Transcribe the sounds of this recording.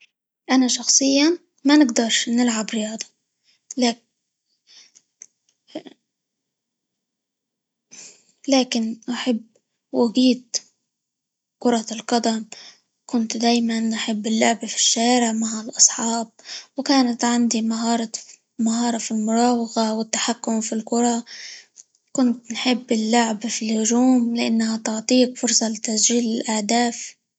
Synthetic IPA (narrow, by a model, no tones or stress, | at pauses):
ʔanaʃɑxsˤɨjːan | manɪɡd̪ɑɾˤʃnɪlʕabɾɪjɑːd̪ˤɑ | la | laːkɪnʔaħabː | waɡiːt̪ | kʊɾˤɑlqɑd̪am | kʊnt̪d̪aːjmanʔaħɪbːɪlːʊʕbfi̥ʃːaːɾɪʕmaʕalʔɑsˤħɑːb̚wkaːnat̪ʕand̪imaɦɑːɾˤ | maɦɑːɾˤɑfilmʊɾˤɑːwɑɣawɪt̪ːaħakːʊmfilkʊɾˤɑ | kʊnt̪nħɪbːɪlːʊʕbfilhʊʒuːmlɪʔanːahat̪ʊʕt̪ˤiːkfʊɾsˤɑlɪt̪asʒiːlɪlʔahd̪aːf